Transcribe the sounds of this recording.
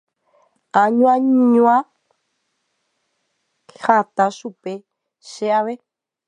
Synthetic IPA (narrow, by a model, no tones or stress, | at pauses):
aɲũaɲɲũa | at̪aʃupe | ʃeaβe